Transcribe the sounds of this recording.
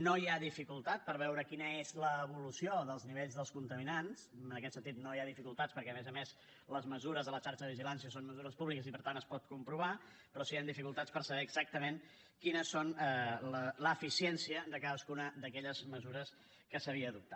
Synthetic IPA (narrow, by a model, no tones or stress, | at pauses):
nojaðifikulˠt̪at̪̚pəɾβ̞ɛwɾəkinəezləːβulusjoðəlˠzniβeʎzðəlˠskunt̪əminansənəkɛt̪sənt̪it̪̚nojaðifikulˠt̪att͡sspəɾkɛəmɛzəmes | ləzməzuɾəzðələt͡ʃaɾt͡ʃəðəβiʒilansiəsonməzuɾəspuβlikəzipəɾt̪anəspɔt̪̚kumpɾuβ̞a | pɾɔsiand̪ifikulˠt̪att͡sspəɾsəβɛːɡzak̚t̪əmen | kinəsːonlələːfisiɛnsiəd̪əkaðəskunəd̪əkɛʎəzməzuɾəs | kəsəβiəːðup̚t̪a